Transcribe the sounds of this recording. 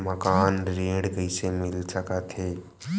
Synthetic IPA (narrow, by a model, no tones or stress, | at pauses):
məkaːnɾẽːɽɡəisemɪlsəkat̪ʰeː